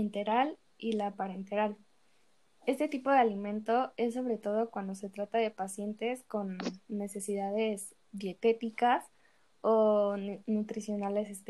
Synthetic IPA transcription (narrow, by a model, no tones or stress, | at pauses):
ent̪e̞ɾal | ilapaɾent̪eɾal | e̞st̪e̞t̪ipo̞ðealimẽ̞nt̪o̞e̞sːo̞β̞ɾe̞t̪o̞ð̞o̞kwand̪o̞se̞t̪ɾat̪aðe̞pasje̞nt̪e̞sko̞nːe̞se̞siðaðe̞z | ðje̞t̪e̞t̪ikas | onut̪ɾisjo̞nale̞sest̪